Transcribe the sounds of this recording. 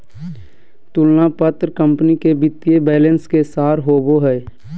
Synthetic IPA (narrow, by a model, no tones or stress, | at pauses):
t̪ʊlnapət̪ɾkə̃mpnikebɪt̪ːijebɛːlə̃nskesaːɾɦoːboɦɛː